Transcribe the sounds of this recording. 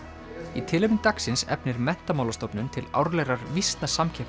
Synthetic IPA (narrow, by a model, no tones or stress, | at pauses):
it̪ʰɪːlɪpnɪt̪aksɪnsɛ̰pnɪɾmɛn̥t̪amaːwlast̪owpnʏnt̪ʰɪla̰wɾlɛɾaɾvist̪nasamcʰɛhp